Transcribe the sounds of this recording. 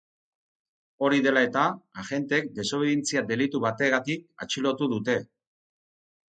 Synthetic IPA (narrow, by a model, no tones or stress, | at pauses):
o̞ɾiðe̞lae̞t̪aːʝe̞nt̪ek̚d̪e̞so̞β̞eðint͡siad̪e̞lit̪uβat̪e̞ɣat̪ik̚a̰t͡ʃilo̞t̪uðut̪e̞